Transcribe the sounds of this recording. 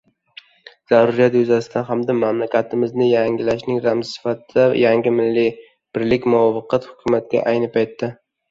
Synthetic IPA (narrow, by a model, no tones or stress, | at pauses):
z̥aɾʊɾijat̪jʊzasɪd̪t̪anɦamd̪amamlakʲat̪ʰɪmɪznɪjaŋʲɪlaʃnɪŋɾamzsɪ̥fat̪d̪ajaŋɡʲɪmɪlːɪ | b̥ɪɾlɪkʲmʊɒfɨqʰɑt̪hʊ̥kʰʲʊmat̪̚kʲa̰ʔajnɪpʰajt̪ːa